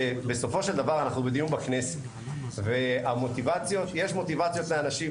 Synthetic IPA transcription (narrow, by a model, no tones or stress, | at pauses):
ebeso̞fo̞ʃe̞ld̪avaʁanaχnubed̪iumbakne̞set | veamo̞t̪ivat͡sjo̞t̪jeʃmo̞t̪ivat͡sjo̞t̪leanaʃi